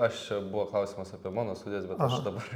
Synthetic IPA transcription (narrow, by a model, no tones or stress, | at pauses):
ɐʃt͡ʃʲɛbʊʋɐklˠɐʊsʲiːmɐsɑːpʲiɛmɑːnoːst̪udʲɪjɛsbʲɛt̪ɐʃd̪ɐbɐr